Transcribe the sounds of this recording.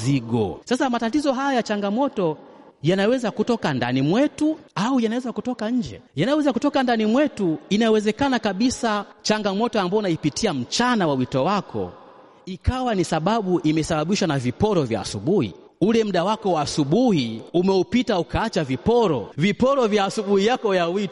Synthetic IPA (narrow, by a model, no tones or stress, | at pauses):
ziɡɔ̰sasamatatizɔɦajajat͡ʃaŋɡamɔtɔ | janawɛzakutɔkanda̰nimwɛtuaujanawɛzakutɔkaɲ̩d͡ʒɛ̰janajɔwɛzakutɔkandanimwɛtuinawɛzɛkanakaɓisat͡ʃaŋɡamɔtɔambaɔnaipitʰiam̩t͡ʃanawawitɔwakʰɔ̰ | ikawanisaɓaɓuʔimɛsaɓaɓiʃwanavipɔɾɔvja̰ːsuɓuhḭ | ulɛm̩ɗawakɔwaːsuɓuhiumɛupitaukaat͡ʃavipɔɾɔ̰vipɔɾɔvjaːsuɓuhijakɔjawit